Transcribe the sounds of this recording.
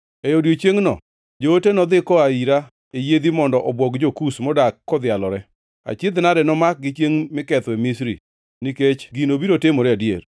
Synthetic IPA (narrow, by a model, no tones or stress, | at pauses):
ejodjot͡ʃeŋnɔ̰ | d͡ʒootenɔd̪ɪkɔaiɾa | ejed̪imɔndɔʔɔbwɔkd͡ʒokusmɔdakːɔd̪ɪalɔɾɛ | a̰t͡ʃɪd̪nadɛnɔmak̚ɡɪt͡ʃjeŋmɪkɛt̪wɛmisɾḭ | niket͡ʃɡinobiɾotemoɾɛadjḛɾ